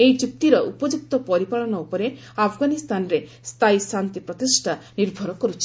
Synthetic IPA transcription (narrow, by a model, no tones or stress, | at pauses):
eid͡ʒup̚t̪iɾɔʔupɔd͡ʒuk̚t̪ɔpɔɾipaɭɔnɔupɔɾe | apʰɡanist̪anɔɾe | st̪ʰaisant̪ipɾɔt̪isʈʰaniɾbʱɔɾɔkɔɾut͡ʃʰi̥